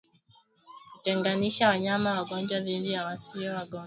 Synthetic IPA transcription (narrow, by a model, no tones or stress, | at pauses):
kutɛŋɡaniʃawaɲamawaɡɔɲd͡ʒwaðidijawasiɔwaɡɔa